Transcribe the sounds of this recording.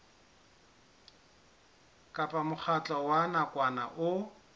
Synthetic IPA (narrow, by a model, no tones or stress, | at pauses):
kʼapʼamʊk͡xʰat͡ɬʼɔwanakʼwana̰ʔʊ